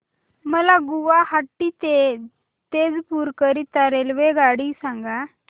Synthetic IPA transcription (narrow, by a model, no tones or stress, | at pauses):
məlaɡuʋaɦaʈːit̪e | t̪ed͡zpuɾkəɾit̪aɾelʋeɡaɽisãŋɡa